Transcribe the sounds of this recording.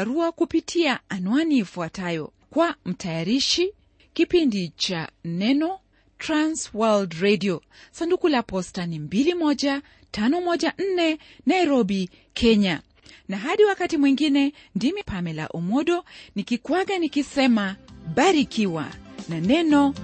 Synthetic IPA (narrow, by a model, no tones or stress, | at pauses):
aɾuakupitʰiaanuaniːfuatajɔ̰ | kwam̩tʰajaɾiʃi | kipindit͡ʃa̰nɛnɔ | tɾanswaldɾɛdiɔsandukulapɔstanimbilimɔʄa | tanɔmɔʄaʔn̩nɛ | naiɾɔɓi | kʰɛɲa | naɦaɗiwakatimwiŋɡinɛndimipʰamɛla̰ʔumɔɗɔnikikwaɡanikisɛmaɓaɾikiwa̰nanɛnɔ